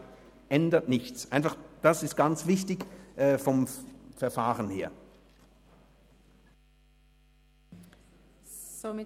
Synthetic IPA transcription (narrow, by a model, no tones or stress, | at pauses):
ʔɛndəɐtnɪçt͡sʔaɪnfaχd̥asɪst̚ɡ̥ant͡sv̥ɪçtɪçʔɛːfɔmfɛɐfaːʁənheːɐ